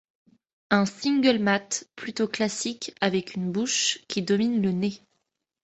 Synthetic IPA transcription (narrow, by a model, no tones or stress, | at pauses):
ɛ̃sĩŋɡʲəlmat̪plyt̪oklasikʲavɛkynbuʃkʲid̪ɔminləne